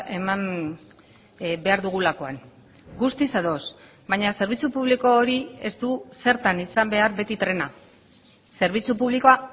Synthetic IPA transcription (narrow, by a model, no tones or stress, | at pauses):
e̞mam | be̞aɾðuɣ̞ulako̞a̰n | ɡust̪isaðo̞s | bajɲase̞ɾβ̞it͡supuβ̞liko̞ːɾie̞st̪use̞ɾt̪anisambe̞aɾβe̞t̪it̪ɾe̞na | se̞ɾβ̞it͡supuβ̞likoa